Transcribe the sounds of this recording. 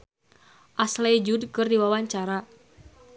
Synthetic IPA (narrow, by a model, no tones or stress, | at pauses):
ʔaslad͡ʒudkɨrdiwawaɲt͡ʃaɾa